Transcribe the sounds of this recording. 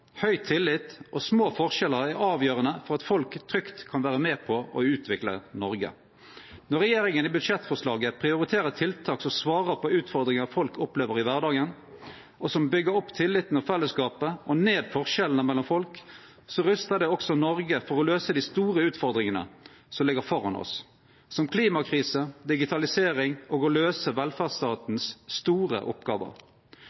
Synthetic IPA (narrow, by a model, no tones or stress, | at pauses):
hœʏt̪ʰɪlːɪt̪ːʔɔsmoːfɔʁʂɛləɾæʁɑːʋjøːɾənəfɔʁɑt̪fɔlkt̪ʰɾʏkt̪kʰɑnʋæːʁəmeːpʰɔʔɔʉːt̪ʰʋɪklə̰nɔɾɡə̰ | nɔʁɛjeːɾɪŋənibʉd̪ʂɛt̪ːfɔʁʂlɑːɡəpʰɾɪʊɾɪt̪ʰeːɾət̪ʰɪlt̪ʰɑːksɔmsʋɑːʁəpʰɔʉːt̪fɔʁd̪ɾɪŋəʁfɔlkɔpleːʋəɾɪʋæʁɖ̪ɑːɡən | ɔsɔmbʏɡəɾɔpːt̪ʰɪlːɪt̪nɔfɛlːəskɑːpəɔneːd̪fɔʁʃɛlnəmɛlːɔmfɔlk | sɔʁʉst̪əd̪ɛɔksɔnɔʁɡəfɔʁɔløːsəd̪ɪst̪uːʁəʉːt̪fɔʁd̪ɾɪŋənə̰ | sɔmlɪɡəɾfɔʁɑnɔ̰sː | ɔmkʰliːmɑkʰʁiːsəd̪ɪɡɪt̪ʰɑlɪseːʁɪŋʔɔːɡɔløːsəʋɛlfæʁst̪ɑːt̪n̩sːt̪uːʁə̰ʔɔ̰pɡɑ̰ːʋə̰ɾ